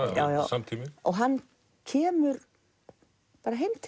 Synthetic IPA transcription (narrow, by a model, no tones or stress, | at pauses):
ja̰ːwja̰wsamt̪ʰimɪɔ̰ɣɦanː | cʰɛːmʏɾ | paːɾaɦejmt̪ʰ